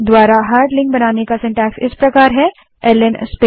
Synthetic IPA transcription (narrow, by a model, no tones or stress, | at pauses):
d̪ʋaːɾaɦaːɾɖlɪ̃ŋk̚bɐnaːnekasɛ̃ɳʈɛːksɪ̰spɾɐkaːɾɦɛ | ɛːlənspe